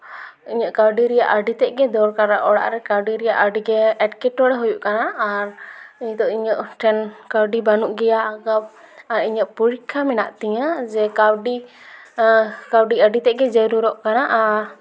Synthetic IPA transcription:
iɲɔʔkaɾɖiɾijaʔaɖit̪ɛʔɡɛd̪ɔɾkaɾaʔɔɽa̰ʔɾɛkawɖiɾɛjaʔaɖiɡɛɛʈkɛʈːɔɽɛɦɔjuʔkanaaɾiɲt̪ɔʔiɲɔʔʈʰɛnkawɖibanuʔɡɛjaːɡap̚ | aɾiɲəʔpuɾikʰːamɛnaʔt̪ɛɲad͡ʒɛkawɖi | kawɖiaɖit̪ɛʔɡɛd͡ʒɛɾuɾɔʔkanaʔaɾ

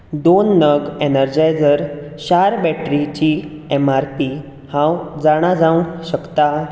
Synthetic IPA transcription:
d̪onːəɡenəɾd͡ʑajd͡zəɾɕaɾbɛʈɾit͡ɕiɛmaɾpi | hãwd͡zaɽ̃ad͡zãʋũɕəkt̪a

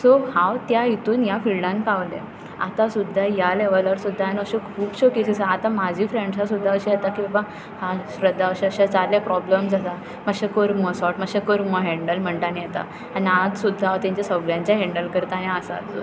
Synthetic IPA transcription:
sohaʋt̪jaɦit̪uːnjafilɖãnkaʋlḛ | a̰t̪asud̪ʱːajaleʋələɾsud̪ʱːaːnəɕekʰuːbɕɔkisisaat̪amad͡ʑʱifɾẽɳɖsasud̪ʱːaəɕijɛt̪akĩʋã | haɕɾəd̪ʱːaəɕeəɕat͡salepɾɔbləmd͡zat̪a | məɡɕekoɾməsɔʈməɡɕẽkəɾməɦɛɳɖəlm̤əɳʈanjet̪a̰ | aniad͡zsud̪ʱːat̪jãɲt͡ɕasəɡɭjãɲt͡ɕjaɦɛ̃ɳɖəlkəɾt̪aniasat̪o̰

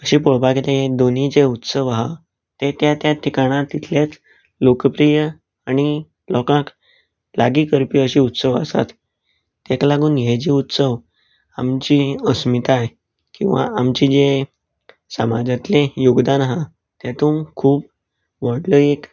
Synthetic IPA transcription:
əɕiːpoɭpaket̪eɦed̪onid͡zeut̪səʋaɦa | t̪et̪jat̪jat̪ʰikaɽ̃at̪it̪ʰljat͡s | lokəpɾijə | aɽ̃i | lɔkãk | laɡiːkəɾpiːəɕiːut̪səʋə̰sa̰t̪ː | eklaɡuːnjed͡ʑiːut̪səʋ | amt͡ɕiəsmit̪aj | kĩw̃ʋa̰amt͡ɕiːd͡ze | səmad͡zat̪lejuɡd̪anɦa | t̪jat̪uːmkʰuːp̚ | ʋəɽləek

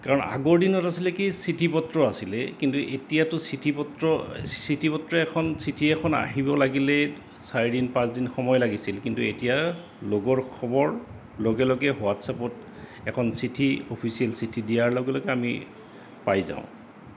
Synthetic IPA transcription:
kaɹɔna̰ɡɔɹdinɔtasilɛkisitʰipɔtɹɔasilɛkintuʔetijatʊsitʰipɔtɹɔsitʰipɔtɹɔɛkʰɔnsitʰiɛkʰɔna̰ɦibɔlaɡilɛ | saɹɛdinpãsdinxɔmɔjlaɡisilkintuetija | loɡɔɹkʰɔbɔɹ | loɡɛlɔɡɛɦowatsapɔt | ɛkʰɔnsitʰiopʰisiɛlsitʰidijaɹlɔɡɛlɔɡɛamḭ | pajzã̰ʊ̃

